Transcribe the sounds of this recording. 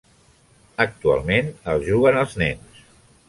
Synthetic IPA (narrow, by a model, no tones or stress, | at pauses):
ək̚t̪ua̰lˠmenəlˠzʒuɣənəlˠznɛ̰ns